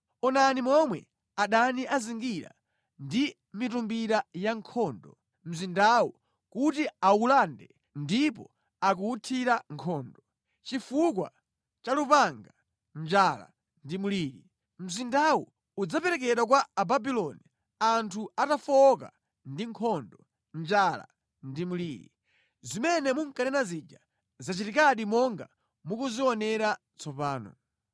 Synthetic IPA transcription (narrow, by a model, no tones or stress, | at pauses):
ɔnanimɔmwɛ̰ | aɗaniʔaziŋɡiɾa̰ | ndi | mitumbiɾajaŋkʰɔːndɔ | m̩zindawu | kutiaulandɛ | ndipɔ̰ | akuutʰiɾaŋkʰɔːndɔ | t͡ʃifukwa̰ | t͡ʃalupaŋɡa | m̩d͡ʒala̰ | ndimuliːɾi | m̩zindawu | ud͡zapɛɾɛk̬ɛɗwak̬waːbabilɔni | antʰuatafɔka̰ | ndiŋkʰɔndɔ | nd͡ʒala̰ | ndimuliːɾḭ | zimɛnɛmuŋkanɛnazid͡ʒa | zat͡ʃitikaɗimɔŋɡa | mukuziɔnɛɾa | t͡sʰɔpaːnɔ̰